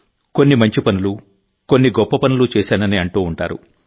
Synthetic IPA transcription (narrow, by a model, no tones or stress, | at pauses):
ko̞nːimɐɲt͡ʃipɐnulu | ko̞nːiɡɔpːɐpɐnulut͡ʃɛːsaːnɐniɐɳʈuːɳʈa̰ːɾṵ